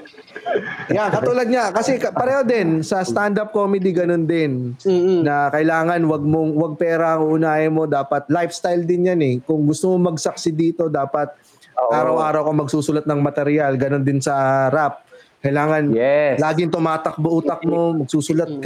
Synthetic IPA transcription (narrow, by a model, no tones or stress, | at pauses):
jakɐt̪ulɐd̪̚ɲɐkɐsɛkɐpɐɾɛːhod̪ɛnsɐst̪and̪ap̚komɛd̪iɡɐnond̪ɪnː | ɐkɐʔɪlaːŋɐnwɐɡ̚moŋwɐɡ̚pɛːɾɐɐŋuʔʊnaːɪmo̞d̪aːpɐt̪̚lajfst̪ajld̪ɪnjanɛkʊŋɡʊst̪ʊmomɐɡsɐk̚sɪd̪iːt̪o̞d̪aːpɐt̪̚ː | ʔʔaːɾɐwʔaːɾɐwkomɐɡ̚suːsʊlɐt̪̚nɐŋmɐt̪ɛɾɪjalɡɐno̞nd̪ɪnsɐɾap̚kɐjɪlaːŋɐnlaːɡɪŋt̪ʊmaːt̪ɐk̚boʔuːt̪ɐk̚mo̞mɐɡ̚suːsʊlɐt̪̚